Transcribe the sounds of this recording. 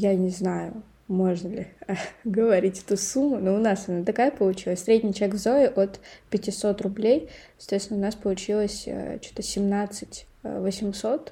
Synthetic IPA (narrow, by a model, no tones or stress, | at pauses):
janʲɪznajʊ | mo̞ʐnəlʲɪɡəvɐɾʲitʲɛ̥t̪usumːʊnoʊnasɐnat̪ɐkajəpəlˠʊt͡ɕilˠəsʲsʲɾʲedʲnʲɪjt͡ɕvʲekvzo̞ɪʔo̞t̪pʲɪtʲɪso̞t̪rʊblʲejsɐt̪vʲet̪ʲɪnʊnaspəlˠʊt͡ɕilˠəsʲə̰t͡ɕu̥t̪əsʲɪmnat̪sɨtʲ | vəsʲɪmso̞t̪